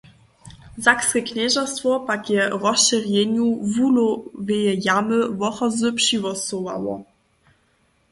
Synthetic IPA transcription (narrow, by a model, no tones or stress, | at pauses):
zakskɛkɲɛʒast̪fvɔpakjɛrɔsʃɛrjɛɲuvulɔvɛjɛjamɘvɔxɔzɘpʂivɔsɔva̰wɔ̰